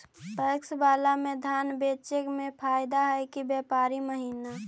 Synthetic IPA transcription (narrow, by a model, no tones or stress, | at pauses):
pəksbaːlamẽd̪ʱaːnbeːt͡ʃekmẽpʰaːjd̪aɦɛkibjɛːpaːɾiməɦiːna